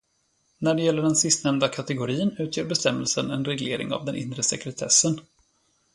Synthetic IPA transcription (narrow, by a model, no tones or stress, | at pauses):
næɖɛjɛlːəɖɛnsɪst̪nɛmnd̪akʰat̪ɛɡʊɾiːənʉ̟ːt̪ʰjeːɾbɛst̪ɛmːəlsənɛnɾɛɡleːɾɪ̰ŋa̰vd̪ɛnʔɪ̰nɾəsɛkɾɛt̪ʰɛsːən